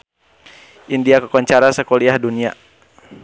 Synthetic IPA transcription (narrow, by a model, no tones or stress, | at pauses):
ʔindiakəkɔɲt͡ʃaɾasəkɔliahdunia